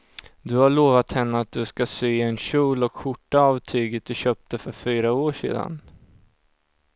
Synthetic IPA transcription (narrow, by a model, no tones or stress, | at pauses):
d̪ɵhaɭoːvat̪hɛnːəat̪̚d̪ɵskasyːɛnɕuːlɔkɧʊʈːaɑːvt̪ʰyːɡət̪̚d̪ɵɕœːp̚t̪əfœɾfyːɾaoːʂḛːd̪a̰n